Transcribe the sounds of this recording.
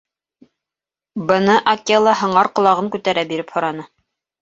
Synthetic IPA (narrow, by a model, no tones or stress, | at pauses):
bɤ̆nɤʔɐkʲelˠɑɦɤ̆ɴɑɾqŏlˠɑʁɤŋkʉt̪æɾæbiɾɘphŏɾɑnɤ